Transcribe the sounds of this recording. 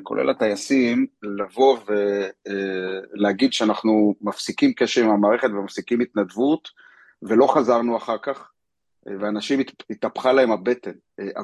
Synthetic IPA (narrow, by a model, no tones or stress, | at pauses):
ko̞lḛlat̪ajasimlavo̞ve | leaɡid̪ʃeanaχnumafsikimkeʃeʁimamaːʁe̞χet̪vemafsikimit̪nad̪vut̪ | ve̞lo̞χazaʁnuaχaʁkaχ | veanaʃimit̪apχalahemhabe̞t̪e̞n | ʔa